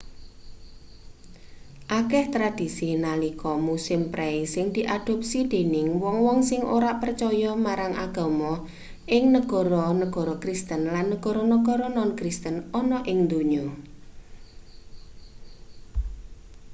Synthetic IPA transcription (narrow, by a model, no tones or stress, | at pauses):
ʔakɛht̪ɾad̪̥i̤sinalikɔmusɪmpɾʔɛisɪŋd̪̥i̤ʔad̪̥ɔ̤p̚sid̪̥e̤nɪŋwɔŋwɔŋsɪŋoɾaʔpərt͡ʃɔjɔmaɾaŋʔaɡ̥ɔ̤mɔ | ʔɪŋnəɡ̥ɔ̤ɾɔnəɡ̥ɔ̤ɾɔkɾist̪ənlanːəɡ̥ɔɾɔnəɡ̥ɔɾɔnɔnkɾist̪ənɔnɔʔɪŋnd̪uɲɔ